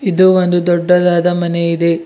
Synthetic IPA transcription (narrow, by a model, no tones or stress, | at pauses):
id̪uond̪ud̪ɔɖːɐd̪aːd̪ɐmɐneid̪e̞